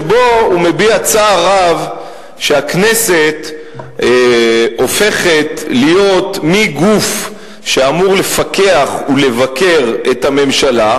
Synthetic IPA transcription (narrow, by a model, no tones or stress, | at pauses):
bo̞ume̞biat͡saːʁav | ʃeakne̞se̞t̪ | o̞fe̞χe̞t̪lijo̞t̪miɡuf | ʃeamuʁle̞fake̞aχule̞vake̞ʁethame̞mʃala